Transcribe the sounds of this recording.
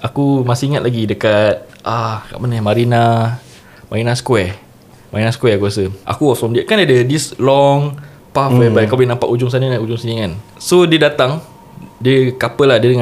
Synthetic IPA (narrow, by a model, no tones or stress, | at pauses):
ʔakumasiŋat̪laɡidəkat̪̚ʔaka̰ʔmanəmaɾina | maɾinãsə̥kwɛ | maɾinaskwɛkuasəʔa̰kuɔfɾɔmdiaʔkandadədislɔŋ | pafɛbajkawblɪnãmpa̰ʔud͡ʒʊŋs̬anənaud͡ʒʊŋsinĩkan | sodiədat̪aŋ | diəkapəlahdiədəŋa